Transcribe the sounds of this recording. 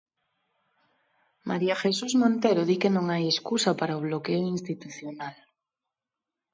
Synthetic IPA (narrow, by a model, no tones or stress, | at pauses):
mʔaɾiaxesuzmõnt̪eɾoðikenõŋajeskusapaɾaoβ̞lokeoinst̪it̪uθjonal